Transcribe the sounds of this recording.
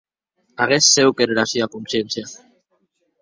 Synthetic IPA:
aɣesːewkeɾeɾasiakunsjensja

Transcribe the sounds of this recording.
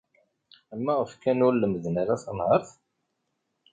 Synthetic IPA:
æmːæəfkːænʊɾləməðnaɾasənhɑɾˤθ

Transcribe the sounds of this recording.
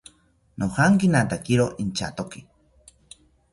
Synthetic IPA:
nʔohaŋkinat̪akiɾoʔint͡ʃa̰t̪oki

